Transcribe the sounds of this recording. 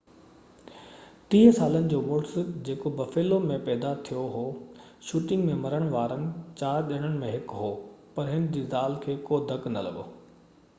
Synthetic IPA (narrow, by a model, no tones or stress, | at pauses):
t̪ĩːɦəsaːlənɪ̆d͡ʑoːmoːʈsd͡ʑeːkobɐfeːlomẽpɛːd̪at̪ʰijoɦoː | ʃuːʈɪ̃ŋɡmẽmɐɾəɽ̃ʋaːɾənɪ̆t͡ɕaːʄɐɽ̃əɽ̃ɪ̆mẽɦɪkɦoːpɐɾɦɪnd͡ʑiːzaːlkʰeːkoːd̪ʱɐknɐ̰lɐ̰ɠo̰ː